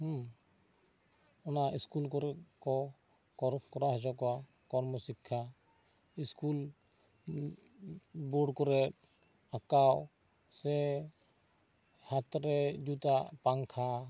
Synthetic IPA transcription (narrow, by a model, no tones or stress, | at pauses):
ɔnaʔiskulk̬ɔɾɛkɔ | kɔɾkɔɾaɦɛd͡ʒɔkɔwa | kɔɾmɔsikʰːa | iskul | bɔɽkɔɾɛt̚ | akaw | sɛ | hat̪ɔɾɛd͡ʒut̪apaŋkʰa